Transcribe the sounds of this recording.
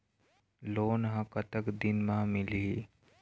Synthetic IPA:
loːnɦɐ̃kət̪əkd̪ɪnmãmɪli

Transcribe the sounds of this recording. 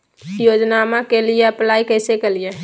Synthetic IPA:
jod͡ʒnamakelijeəplaːikəɪsekelije

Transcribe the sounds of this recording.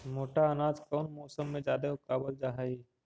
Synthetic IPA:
moːʈaɐnaːd͡ʒkɔːnmɔːsəmːẽd͡ʒaːd̪eʊkaːbəld͡ʒaɦai

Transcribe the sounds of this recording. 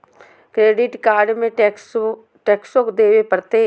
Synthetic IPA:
kɾeːɖɪʈkaːɾɖmẽs | ʈeːksõkd̪eːwepɐɾt̪e

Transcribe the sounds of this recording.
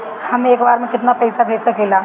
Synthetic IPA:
hɐmeːkbaːɾmẽkɪt̪napɛjsabʱeːsɐkeːlaː

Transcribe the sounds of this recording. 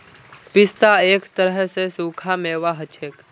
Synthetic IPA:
pɪst̪aeːkt̪əɾəɦəsesuːkʰameːʋaɦət͡ʃʰeːk

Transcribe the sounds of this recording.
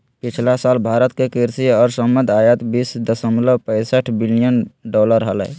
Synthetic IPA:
pit͡ʃʰlasalbʱaɾət̪kekiɾsiɔːɾsəmənd̪ʱajət̪bisd̪əsəmləbpə̃jsəʈʰbilijənɖɔləɾɦələ̰

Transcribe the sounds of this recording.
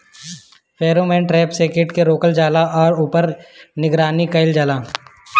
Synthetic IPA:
pʰeːɾomɛ̃ːɳʈɾɛːpseːkɪʈkeɾoːkəld͡ʒaːlaʔɔːɾuːpəɾnɪɡɾaːnikɐɪld͡ʒaːlaː

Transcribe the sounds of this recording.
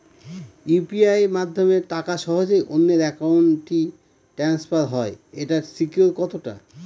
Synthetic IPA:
upiajmad̪ʱːomeɾʈakaʃɔɦod͡ʑejʔonːeɾɛkawɳʈi | ʈɾanspaɾɦɔeeʈaɾsikioɾkɔt̪oʈa̰

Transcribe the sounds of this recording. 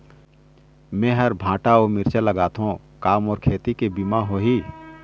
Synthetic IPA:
mẽːɦəɾbʱãːʈaomɪɾt͡ʃaləɡaːt̪ɦõ | kaːmɔːɾkʰeːt̪ikebimaɦoːɦiː

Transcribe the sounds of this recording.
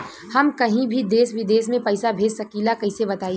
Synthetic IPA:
hɐmkɐɦĩbʱid̪eːsʋɪd̪eːsmẽpɐɪsabʱeːd͡ʒsɐkiːlakɐɦɪsebɐt̪aːi

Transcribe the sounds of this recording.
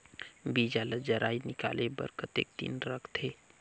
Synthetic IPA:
biːd͡ʒaːləd͡ʒɐɾʔa̰ːinɪka̰ːlebə̰ɾkət̪ḛːk̚t̪ḭnɾəkʰt̪ʰeː

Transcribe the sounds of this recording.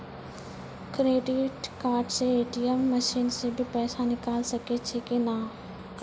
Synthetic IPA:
kɾeːɖɪʈkaːɾɖseeːʈijəmːəʃiːnsebʱipɛːsanɪkaːlsɐket͡ʃʰekena

